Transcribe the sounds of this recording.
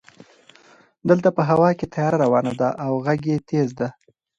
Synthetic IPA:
d̪əlt̪apəɦawɑket̪ʰajɑɾaɾawɑnad̪aʔawɣaɡet̪ezd̪a

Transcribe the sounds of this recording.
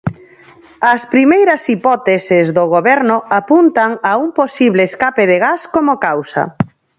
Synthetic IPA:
ɐspɾimejɾɐsipɔt̪esezðoɣoβɛɾnʊapunt̪aŋaumposiβleːskapeðeɣaskomokawsɐ̰

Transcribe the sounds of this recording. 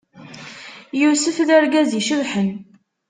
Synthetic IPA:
jusəfðæɾɡæziʃəvħən

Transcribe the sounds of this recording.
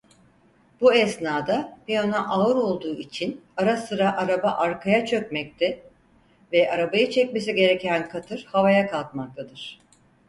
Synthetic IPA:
buɛsnaːd̪apijonaʔaɯɾo̞lˠd̪uːit͡ʃʰinaɾasɯɾaʔaɾabaʔaɾkʰajat͡ʃʰø̞cmɛc̚t̪ʰɛ | vɛʔaɾabajɯt͡ʃʰɛc̚me̞s̬iɟe̞ɾɛcænkʰat̪ʰɯɾ̥havajakalˠk̪̚mak̚t̪ʰad̪ɯɾ̥

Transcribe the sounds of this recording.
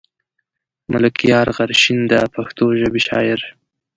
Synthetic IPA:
mʔʊlɪkijɑɾɣaɾʃind̪əpʰaxt̪oʒəbeʃɑ̰jɪɾ

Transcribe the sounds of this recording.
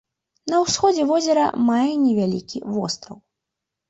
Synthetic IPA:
nɐwsxɔd͡zʲɛvɔzʲɐɾɐ̰majɛnʲɛvʲalʲikʲivɔst̪ɾɐw

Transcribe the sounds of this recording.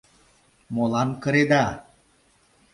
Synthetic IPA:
molankəɾed̪a

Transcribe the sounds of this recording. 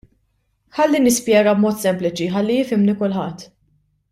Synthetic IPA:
ħɐlːinɪspjɛːɡɐbmɔːt̪sɛmplɪt͡ʃiħɐlːijɪfɪmnikʊlħɐt̪ː

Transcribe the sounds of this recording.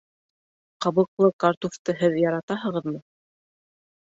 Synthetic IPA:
qɑβɤ̆qlˠɤkaɾt̪uft̪ɤɦɘðjɑɾɑt̪ɑɦɤ̆ʁɤðmɤ

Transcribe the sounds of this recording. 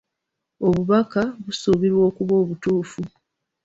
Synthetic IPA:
o̞βuβakaβusuβiɾwo̞ːkuβo̞ːβutuːfu

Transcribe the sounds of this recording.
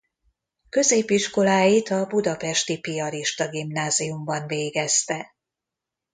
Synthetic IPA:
kø̞zeːpiʃko̞laːjit̪ɒbud̪ɒpɛʃt̪ipiɒɾiʃt̪ɒɡimnaːzijumbɒnveːɡɛst̪ɛ

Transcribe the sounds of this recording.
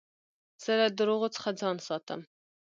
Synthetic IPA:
sɛɾɛd̪əɾuʁət͡sʰχəd͡zɑnsɑt̪ɛ̰m

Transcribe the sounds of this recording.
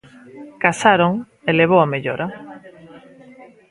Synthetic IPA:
kasaɾoŋ | eleβ̞owameʎoɾa

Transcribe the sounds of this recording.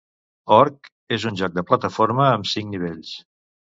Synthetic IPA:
ɔɾk | ezunʲʒɔk̚d̪əplət̪əfoɾməːmsiŋniβ̞eʎs

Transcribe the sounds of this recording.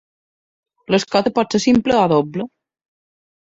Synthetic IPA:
loeskɔt̪epɔt̪sesimpleaðoblo

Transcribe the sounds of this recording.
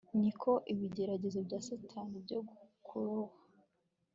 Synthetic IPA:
nikʰo̞ʔiβiɟe̞ɾaɟe̞zobɟaːsatʰanibɟoɡukʰuɾohḁ

